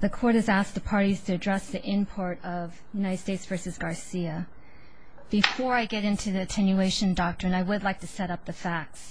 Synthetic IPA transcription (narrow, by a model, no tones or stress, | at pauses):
ðɨkʰɔɹɾɨzæsk̚ðəpʰɑɹɾiz̥tʰɨɨdɹɛsðiʔɪ̃npʰɔɹɾʌv | jʉnaɪɾɨd̥steɪtsv̥ɜ˞sɨzɡɑɹsiɨ | b̥ɨfɔɹaɪɡɛɾɪ̃ntʰʉðiɨtʰɛ̃njʉeɪʃɨ̃ndɑk̚tɹ̥ɨ̃naɪwədˡlaɪk̚tʰɨsɛɾʌp̚ðɨfæk̚ts